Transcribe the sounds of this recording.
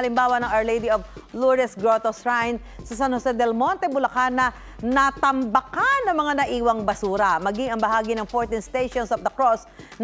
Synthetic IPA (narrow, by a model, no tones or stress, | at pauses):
ɐlɪmbaːwɐnɐŋaɹlejd̪iovlɔɾɛsɡɹot̪osɹajn | sɐsanhosɛd̪ɛlmont̪ɛbʊlɐkanːɐ | nɐt̪ɐmbɐkanːɐŋmɐŋanɐʔiːwɐŋbɐsuːɾɐmɐɡɪŋɐŋbɐɦaːɡinɐŋfoɹt̪inst̪ejʃɔnsɐfd̪ɐkɹos | n